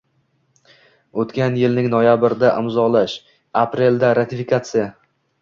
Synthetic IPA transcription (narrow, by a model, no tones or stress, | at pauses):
ot̪kʲanjɪlnɪŋnojabɪɾɪd̪aʔɪmzɒlaʃ | apɾe̞ld̪aɾat̪ʰɪfikʰat̪sɨja